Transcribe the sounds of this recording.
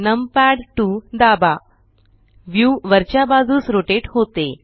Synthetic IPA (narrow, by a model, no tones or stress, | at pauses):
nəmpæɽʈud̪aba | ʋjuʋəɾt͡ɕjabad͡zʱuːsɾoʈeʈhot̪e